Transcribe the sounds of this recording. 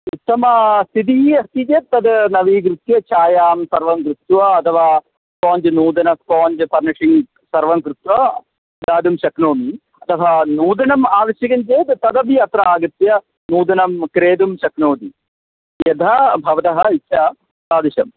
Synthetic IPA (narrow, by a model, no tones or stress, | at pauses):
ut̪ːɐmɐst̪id̪iːɐst̪id͡ʒɐt̪ːɐd̪nɐʋiːɡɾut̪jɐt͡ʃaːjaːmsɐɾʋɐŋkɾut̪ːʋɐɐt̪ʰɐʋaː | spoːɲd͡ʒɐnuːd̪ɐnɐspoːɲd͡ʒɐpɐɾnɐʂi | sɐɾʋɐŋkɾut̪ʋɐ | d̪aːd̪umʃɐknoːmi | ɐt̪ʰɐʋɐnuːd̪ɐnɐmaːʋɐʃjɐɡɐɲt͡ʃeːd̪t̪ɐd̪ɐbiɐt̪ɾɐaːɡɐt̪jɐ | nuːd̪ɐnɐmkɾeːd̪umʃɐknoːd̪i | jɐd̪ʱɐbʱɐʋɐt̪ɐɦɐiʃʰɐ | saːd̪iɕɐm